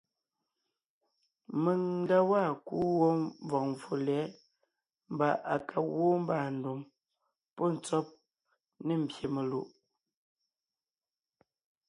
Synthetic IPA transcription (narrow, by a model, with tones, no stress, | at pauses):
me˨ŋn̩˦da˦waː˦˨ku˦wo˦vɔ˨k̚ɱ˨fu˨lɛː˨˦ | m̩˦ba˦˨ʔa˨kʰa˨wo˦m̩˦baː˨n̩˨do˨m | pɔ˦˨n̩˨t͡sɔ˦p̚ | ne˦˨m̩˨bje˨me˨lu˦˨ʔ